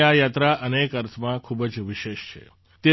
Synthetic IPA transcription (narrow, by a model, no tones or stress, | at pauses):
ajat̪ɾaʔənekəɾt̪ʰmãkʰubəd͡ʒʋiʃeʃt͡ʃʰḛ | t̪e